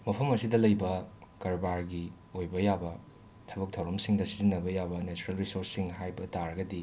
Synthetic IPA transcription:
mɐpʰɐmɐsidɐlɐjbɐkɐɾbaɾɡi | ojbɐjabɐ | tʰɐbɐk̚tʰɐwɾɐmsiŋdɐsi̥zinːɐbɐjabɐnet͡ʃuɾelɾisoɾsːiŋɦajbɐtaɾɐɡɐdi

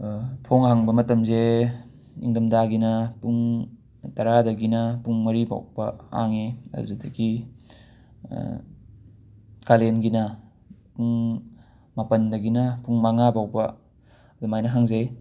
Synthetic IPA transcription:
tʰoŋɦaŋbɐmɐtɐmze | ḭŋdɐmdaɡinɐpuŋ | tɐɾadɐɡinɐpuŋmɐɾiba̰w̚bɐa̰ŋeɐ̰duzedɐɡi | kalenɡinɐ | puŋ | mapɐndɐɡinɐpuŋmaŋabawbɐ | dumajnɐɦaŋzej

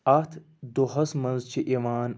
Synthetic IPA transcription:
ɐt̪ʰ | d̪oɦɐsmɐnzt͡ʃʰiʔiʋaːn

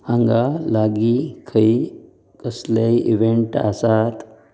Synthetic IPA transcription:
hãŋɡalaɡikʰəi | kəslaiʔiʋeɳʈa̰sat̪

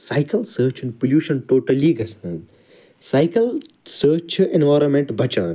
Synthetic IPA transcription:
saɪkɐlsəːt͡ʃɪ̃npoljuːʃɐ̃nʈoːʈɐliɡʱɐsɐ̃n | saɪkəl | səːt͡ʃẽnʋaːɾõnmẽɳʈbʱɐt͡ʃaːn

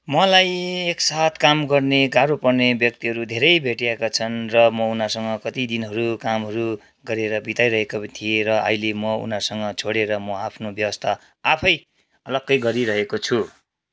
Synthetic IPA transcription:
mʌlajeksat̪ʰkamɡʌrneɡaɾopʌrnebjʌk̚t̪iɦʌɾud̪ʱeɾʌjbʱeʈijakat͡sʰʌnrʌmʌunasʌŋʌkʌt̪id̪inɦʌɾukamɦʌɾu | ɡʌɾeɾʌbit̪ajɾʌɦekot̪ʰieɾʌʌ̰jlemʌṵnasʌŋɡʌt͡sʰoɽeɾʌmʌapʰnobjʌwʌst̪ʰa | apʰʌj | ʌlʌɡːʌjɡʌɾiɾʌɦekot͡sʰu

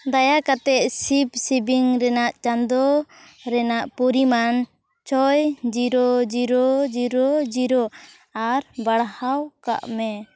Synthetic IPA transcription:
d̪ajakat̪ɛʔ̚sipsibiŋɾɛnaʔt͡ʃand̪ɔɾɛnaʔpuɾiman | t͡ʃɔjd͡ʒiɾɔd͡ʒiɾɔd͡ʒiɾɔd͡ʒiɾɔ | aɾbaɽhawka̰ʔmɛ

